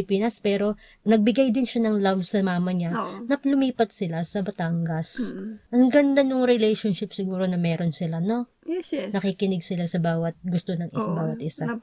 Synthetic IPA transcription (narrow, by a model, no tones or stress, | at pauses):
ɪpiːnɐspɛːɾo̞ | nɐɡ̚bɪɡajd̪ɪnʃanɐŋlabsɐmaːmɐɲanɐklʊmiːpɐt̪̚sɪlasɐbɐt̪aŋɡɐsʔɐŋɡɐnd̪anoŋɾɛlɛjʃonʃɪpsɪɡuːɾo̞nɐmɛːɾo̞nsɪlano̞ | jɛsnɐkikɪnɪɡsɪlasɐbaːwɐt̪̚ɡʊst̪onɐŋʔɪsɐbaːwɐt̪̚ʔɪsa